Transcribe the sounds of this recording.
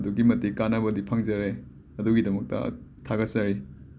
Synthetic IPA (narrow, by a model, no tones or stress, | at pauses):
duɡimɐtikanɐbɐdipʰɐŋzɐɾe | ɐduɡidɐmɐk̚tɐ̰tʰaɡɐt̚sɐɾi